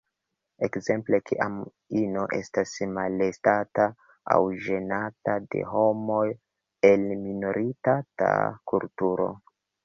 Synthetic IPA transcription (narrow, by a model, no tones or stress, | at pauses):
e̞kze̞mple̞kʰiʔam | ino̞ʔe̞stasmalestata | a̰wʒe̞natade̞̰ɦo̞mo̞j | e̞lminoɾʔitata̰kultuɾo̞̰